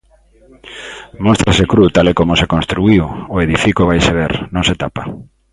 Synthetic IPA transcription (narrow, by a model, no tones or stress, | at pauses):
most̪ɾasekɾut̪alekomʊsekonst̪ɾuiwoeðifikoβajseβ̞eɾnõŋset̪apa